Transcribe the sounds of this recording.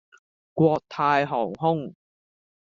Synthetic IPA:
kʷwɔː˧k̚t̪ʰaː˧jɦɔː˨˩wɦʊ˥ŋ

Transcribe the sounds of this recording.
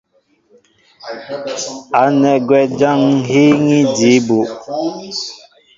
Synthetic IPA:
a˨˦nɛ˨ɡwɛ˦d͡ʒa˦ŋɦe˦ŋi˦di˨˦bo˨ʔ

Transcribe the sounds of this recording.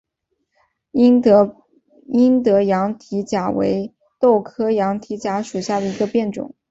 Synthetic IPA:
i˥nt̪ɤ˧˥jɑ˧˥ŋt̪ʰi˧˥t͡ɕja˨˩wḛ˧˥ɪ | t̪o˥˩ʊkʰɤ˥jɑ˧˥ŋt̪ʰi˧˥t͡ɕja˧˥ʂu˨˩ɕja˥˩d̪ə˩i˧˥ɡə˧pjɛ˥˩nʈ͡ʂʊ̰˨˩˦ŋ

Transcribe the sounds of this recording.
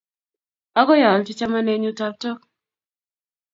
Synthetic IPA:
ɔ˦kɔ˦ja˨lt͡ʃi˦t͡ʃa˦ma˦ne˦ɲu˦ta˦p̚tɔ˦k̚

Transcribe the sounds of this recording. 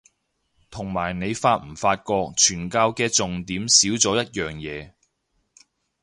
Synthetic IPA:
t̪ʰʊ˨˩ŋmaː˨˩jne˨˧jfaː˧t̚m̩˨˩faː˧t̚kɔː˧k̚t͡ʃʰyː˨˩nkaː˧wkɛː˧t͡sʊ˨ŋt̪iː˨˥msiː˨˥wt͡sɔː˨˥jɐ˥t̚jœː˨ŋjɛː˨˧

